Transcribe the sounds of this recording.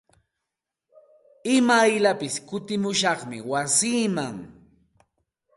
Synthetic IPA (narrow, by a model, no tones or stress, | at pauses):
ɪmajʎapɪskʊt̪ɪmʊʃɑχmɪ̰wasiːmaŋ